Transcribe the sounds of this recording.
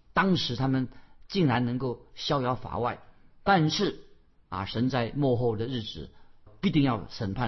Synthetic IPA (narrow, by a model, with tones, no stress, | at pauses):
t̪ɑ˥ŋʂɻ̩˧˥t̪ʰa˥mə˨nt͡ɕi˥˩ŋɻa˧˥nnɤ˧˥ŋko˥˩ʊɕjɑ˥ʊjɑ˧˥ʊfa̰˨˩˦wa˥˩ɪt̪a˥˧nʂɻ̩˥˩ | ɐ̰˨ʂə˧˥nt͡sa˥˧ɪmwɔ˥˧xo˥˩ʊd̪ə˩ɻɻ̩˥˩t͡sɻ̩˨˩i˧˥t̪i˥˧ŋjɑ˥˩ʊʂə˨˩npʰa˥˩